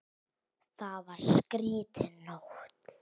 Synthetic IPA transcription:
θavaɾ̥skɾiːt̪ʰɪnoxt̪

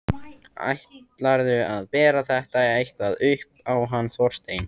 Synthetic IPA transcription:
a̰jht̪laɾðʏaðpɛːɾaθɛht̪aejhk̪vaðʏhp̚awɦanːθvɔr̥st̪eːjn

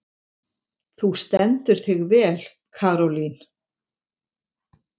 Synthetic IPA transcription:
θust̪ɛnt̪ʏɾ̥θɪɣvɛːl | kʰaːɾɔlin̥

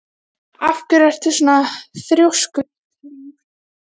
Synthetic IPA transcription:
afcʏɾar̥t̪ʏsɔnaθɾjowsk

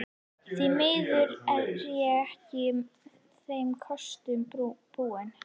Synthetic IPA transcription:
θimɪːðʏɾɛðɾjaɛhcɪ | θejmkʰɔst̪ʏmb̥uːɪn

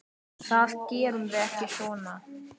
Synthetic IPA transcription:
θast̪̚cɛːɾʏmðɪɛhcɪsvɔːna

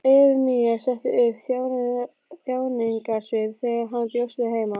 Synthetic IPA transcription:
ɛɾmiɛsɛht̪ɪʏpθjawn | θjaːwniŋkasvɪɾθɛɣaɾɦant̪jowsɪðɪheːjma

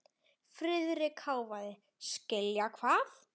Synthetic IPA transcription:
fɾɪðɾɪkʰaːwvaðɪ | scɪljakʰvaːθ

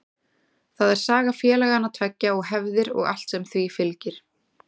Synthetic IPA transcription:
θaðɛɾ̥saːɣafjɛːlɛɣanːat̪ʰvɛcːaɔɣɦɛvðɪɾɔ̰ɣa̰l̥t̪sɛmθvifɪlcɪɾ̥

